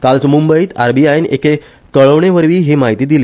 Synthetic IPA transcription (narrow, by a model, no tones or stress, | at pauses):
kalt͡smumbəiːt̪a̰ɾbiainḛke | kəɭəʋɳeʋəɾʋiːɦimaɦit̪iːd̪ile